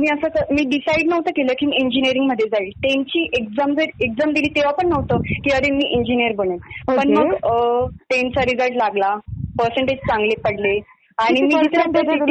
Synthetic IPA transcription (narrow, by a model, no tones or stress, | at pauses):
miːəsət̪əmiːɖisaiɖnəʋt̪əkeləkimieɲd͡ʑiniəɾiŋɡm̤əd̪ʱːjed͡zailt̪ent͡ɕiːʔek̚d͡zamd͡zəɾek̚d͡zamd̪iliːt̪eʋapəɳːəʋt̪əkiəɾemiːʔeɲd͡ʑinijəɾbəɳeppəɳməɡ | ʈent͡saɾid͡zəɾʈlaɡlapəɾsəɳʈed͡ʑt͡sãŋɡlepəɽle | aɽ̃imiːd͡ʑit̪ɾət̪te